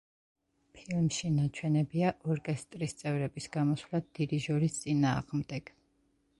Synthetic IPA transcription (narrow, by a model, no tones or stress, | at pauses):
pʰilˠmʃinat͡ʃʰwɛnɛbiaʔɔɾkʼɛst̪ʼɾist̪sʼɛvɾɛbisɡ̥amɔswlad̪ːid̪iʒɔɾist̪sʼinaːʁmd̪ɛɡ̥